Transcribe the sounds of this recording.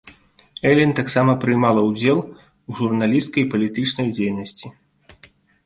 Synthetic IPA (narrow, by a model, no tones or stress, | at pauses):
ɛlʲint̪aksamɐpɾɨjmalˠɐwd͡zʲɛlˠ | uʐurnalʲist̪kɐjpɐlʲit̪ɨt͡ʂnɐjd͡zʲejnɐsʲt͡sʲi